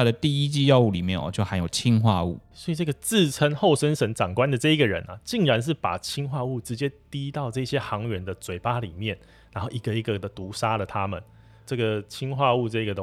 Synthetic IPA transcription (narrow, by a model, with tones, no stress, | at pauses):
a˥˩d̪ə˨˩t̪i˥˨i˦˥t͡ɕi˥˧jɑ˥˧ʊu˥˩li˨˩mjɛ˥˨nɔ̰˨˩t͡ɕjo˥˩ʊxa˧˥ɪjo˨˩ʊt͡ɕʰi˦˥ŋxwa˥˧u˥˩swɔ˧˥i˨ʈ͡ʂə˥˩ɡə˩t͡sɹ̩˥˩t͡sʰə˥ŋxo˥˨˩ʊʂə˥nʂə˧˥ŋʈ͡ʂɑ˨˩ŋkwa˦nd̪ə˨ʈ͡ʂɤ˥˩i˦˥ɡə˨˩ɻə̰˧˦nʔɐ̰˨˩t͡ɕi˥˩ŋɻa˧˦nʂ̬ɻ̩˥˩pa̰˨˩t͡ɕʰi˥nxwa˥˧u˥˩ʈ͡ʂɻ̩˧˦t͡ɕjɛ˥t̪i˥t̪ɑ˥˧ʊʈ͡ʂɤ˥˧i˥˩ɕjɛ˦˥xɑ˧˦ŋɥɛ˧˦nd̪ə˨t͡swe˨˥ɪpa˥lḭ˨˩mjɛ˥˩n | ɻa˧˥nxo˥˩ʊʔi˧˥ɡə˧i˧˥ɡə˨d̪ə˨t̪u˧˥ʂa˥lə˨t̪ʰa˦mə̰˨n | ʈ͡ʂɤ˥˩ɡə˩t͡ɕʰi˦ŋxwa˥˧u˥˧ʈ͡ʂɤ˥˧i˥ɡə˨d̪ə˧˦